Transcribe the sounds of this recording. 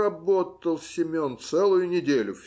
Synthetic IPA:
ɐbo̞tt̪əlˠsʲɪmʲont̪sɛlˠʊjʊnʲɪdʲelʲʊfʲ

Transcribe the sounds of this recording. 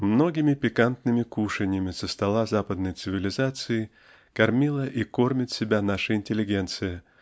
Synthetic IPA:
mno̞ɡʲɪmʲɪpʲɪkant̪nɨmʲɪkuʂɨnʲɪjəmʲɪsəst̪ɐlˠazapəd̪nəjt̪sɨvʲɪlʲɪzat̪sɨɪ | kɐrmʲilˠəʔiko̞rmʲɪt̪sʲɪbʲanaʂɨɪnʲtʲɪlʲɪɡʲe̞nt̪sɨjə

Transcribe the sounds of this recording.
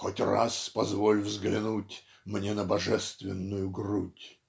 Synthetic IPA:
xotʲra̰spɐzvolʲvzɡlʲɪnutʲ | mnʲenəbɐʐɛst̪vʲɪnːʊjʊɡrutʲ

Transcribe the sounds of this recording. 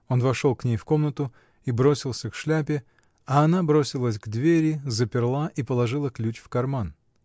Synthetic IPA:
o̞nvɐʂo̞lˠknʲejfko̞mnət̪ʊ | ibɾo̞sʲɪlˠsʲəkʂlʲæpʲɪ | ɐːnabɾo̞sʲɪlˠəsʲɡd̪vʲeɾʲɪzəpʲɪrlˠaʔipəlˠɐʐɨlˠəklʲut͡ɕfkɐrman

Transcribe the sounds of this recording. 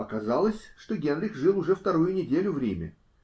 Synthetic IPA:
ɐkɐzalˠəsʲʂt̪o̞ɡʲe̞nɾʲɪxʐɨlˠʊʐɛft̪ɐɾujʊnʲɪdʲelʲʊvɾʲḛmʲə̰

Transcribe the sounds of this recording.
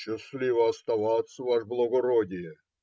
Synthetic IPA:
ɕɪslʲivəɐst̪avɑt̪sːəvaʂblˠəɡoɾodʲɪjə

